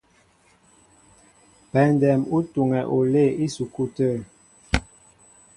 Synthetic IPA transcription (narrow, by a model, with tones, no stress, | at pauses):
pɛ˨ndɛ˨mu˦tu˨ŋɛ˨ʔo˨le˦˨i˦su˨ku˦˨tə˦˨